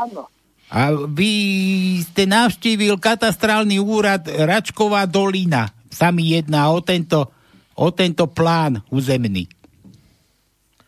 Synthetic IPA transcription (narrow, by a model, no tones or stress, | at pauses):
an | aʋiscɛnaʊʃciːʋilkat̪ast̪ɾaːlniuːɾat̪ɾat͡ʃkɔʋaːd̪ɔlina | samijɛd̪naːɔt̪ɛnt̪ɔ | ɔt̪ɛnt̪ɔplaːnuːzɛmnḭ